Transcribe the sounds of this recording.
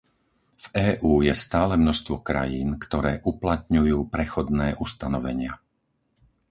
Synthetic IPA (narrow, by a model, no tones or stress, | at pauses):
v̥ɛːʔuːjɛst̪aːlɛmnɔʃst̪ʋɔkɾa̰jiːnkt̪ɔɾɛːʔuplat̪ɲujuːpɾɛxɔd̪nɛːʔust̪anɔʋɛɲɪa